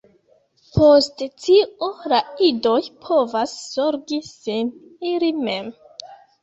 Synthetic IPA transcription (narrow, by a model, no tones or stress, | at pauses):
pʰosttioɾaido̞jpʰo̞vasːoɾɡisinilime̞m